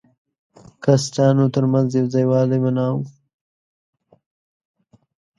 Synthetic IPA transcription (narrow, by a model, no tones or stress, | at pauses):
kasʈɑːnot̪əɾmanzjawzajwɑːlemanaːwu